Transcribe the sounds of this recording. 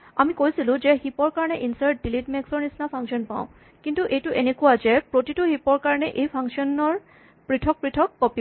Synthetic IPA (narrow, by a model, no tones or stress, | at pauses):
amikojsilʊ̃zɛxipɔɹkaɹɔnɛʔinsaɹt̚dilitmɛksɔɹnisnapʰaŋsiɔnpa̰ʊ̃ | kintuʔejtʊʔenekuwazɛpɹotitʊhipɔɹkaɹɔnɛʔejpʰaŋksiɔnɔɹ | pɹitʰɔk̚pɹitʰɔkːɔpi